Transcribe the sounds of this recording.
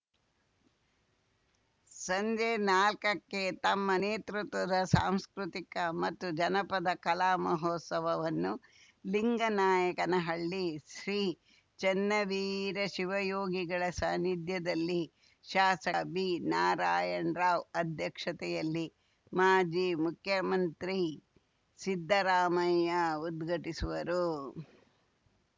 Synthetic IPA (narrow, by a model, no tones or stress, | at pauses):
sɐɲd͡ʒeːnaːlkɐkːet̪ɐmːɐneːt̪ɾut̪ʋɐd̪ɐsa̰ːmskɾut̪ikɐmɐt̪ːud͡ʒɐnɐpɐd̪ɐkɐlaːmɐɦoːt̪sɐʋɐʋɐnːu | liŋɡɐnaːjɐkɐnɐɦɐɭːiʃɾiː | t͡ʃɛnːɐʋiːɾɐʃiʋɐjoːɡiɡɐɭɐsaːnid̪ʱjɐd̪ɐlːi | ʃaːsɐbiːnaːɾaːjɐɳɾaːʋɐd̪ʱjɐkʂɐt̪ɛjɐlːi | maːd͡ʒiːmukʰjɐmɐnt̪ɾi | sid̪ʱːɐɾaːmɐjɐud̪ɡʱɐʈisuʋɐɾu